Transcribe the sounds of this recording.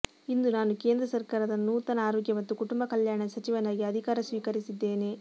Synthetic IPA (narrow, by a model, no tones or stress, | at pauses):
ind̪unaːnuke̞ːnd̪ɾɐsɐɾkaːɾɐd̪ɐnːut̪ɐnɐaːɾoːɡjɐmɐt̪ːukuʈumbɐkɐljaːɳɐsɐt͡ʃiʋɐnaːɡiɐd̪ʱikaːɾɐsʋiːkɐɾisid̪ːe̞ːne